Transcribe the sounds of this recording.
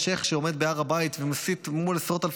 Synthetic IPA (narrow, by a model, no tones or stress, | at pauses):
ʃeχʃeomed̪̚beaʁabait̪vemasit̪mulesʁot̪alf